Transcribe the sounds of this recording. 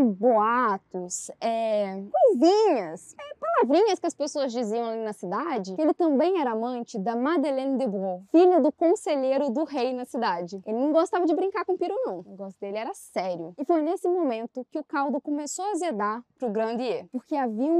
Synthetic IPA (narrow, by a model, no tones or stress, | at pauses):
boat̪ʊsɛkojzĩɲɐsɛpalavɾĩɲɐskɪɐspesoɐzd͡ʒiziɐ̃w̃alinɐsid̪ad͡ʒɪkɪelɪt̪ɐ̃bẽj̃ɛɾɐamɐ̃nt͡ʃɪd̪ɐmad̪elẽnd̪ebofiʎʊd̪ʊkõseʎeɾʊd̪ʊɦejnɐsid̪ad͡ʒɪelɪnɐ̃w̃ɡost̪avɐd͡ʒɪbɾĩŋkaɾkõpiɾonɐ̃w̃ɡɔst̪ʊd̪elɪɛɾɐsɛɾjʊɪfojnesɪmomẽnt̪ʊkɪʊkawd̪ʊkomesoɐzed̪aɾpɾʊɡɾɐ̃nd̪ɪepoɾkeaviɐ̃